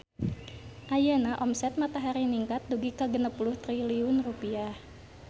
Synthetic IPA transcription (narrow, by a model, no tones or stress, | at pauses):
ʔajənaʔɔmsɛt̪̚mat̪aɦaɾiniŋkat̪̚duɡikəɡənəpulʊht̪ɾiliʊnrupiah